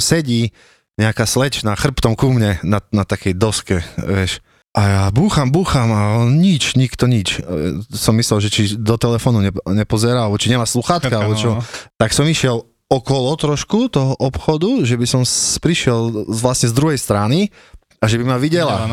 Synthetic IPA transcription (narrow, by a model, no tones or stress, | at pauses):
sɛɟiː | ɲɛakaslɛt͡ʃnaːxr̩pt̪ɔmkumɲɛnanat̪akɛjd̪ɔskɛʋɪɛʃ | ʔajabuːxambuːxamaɲit͡ʃɲikt̪ɔɲit͡ʃsɔmːislɛlʒɛt͡ʃid̪ɔt̪ɛlɛfɔːnuɲɛɲɛpɔzɛɾaalɛbɔt͡ʃiɲɛmaːsluxaːt̪kaalɛbɔt͡ʃɔt̪aksɔmiʃɪɛl | ɔkɔlɔt̪ɾɔʃkut̪ɔɦɔʔɔpxɔd̪uʒɛbisɔmspɾiʃɪɛlʋlasɲɛzd̪ɾuɦɛjst̪ɾani | aʒɛbimaʋiɟɛla